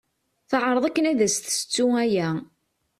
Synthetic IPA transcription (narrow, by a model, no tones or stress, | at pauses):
θəʕɾˤəðˤækːənæðæsθə̥sə̥t͡sːuæjæ